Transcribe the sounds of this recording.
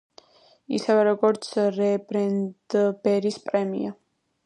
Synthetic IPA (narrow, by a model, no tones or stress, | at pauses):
ḭsɛvɛɾɔɡɔɾt̪sʰɾɛbɾɛnd̪̥bɛɾispʼɾɛmḭa